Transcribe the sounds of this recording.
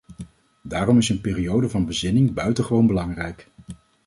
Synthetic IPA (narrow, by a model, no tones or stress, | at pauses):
daːrɔmɪsənpɪːriowdəvɑnbəzɪnɪŋbœɥtəχəʋownbəlɑŋrɛjk